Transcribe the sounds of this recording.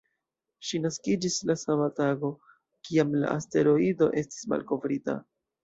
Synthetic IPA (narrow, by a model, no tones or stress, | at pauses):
ʃinaskid͡ʒislasamataɡo̞ | kiamla̰ʔaste̞ɾo̞ido̞̰ʔe̞sti̥sma̰lko̞vɾita̰